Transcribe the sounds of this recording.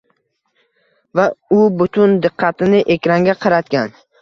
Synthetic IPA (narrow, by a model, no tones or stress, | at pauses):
vaʊbʊt̪ʰʊnd̪ɨqʰːɑt̪ɪnɪʔekʲɾaŋɡʲaqʰɑɾat̪̚kʲan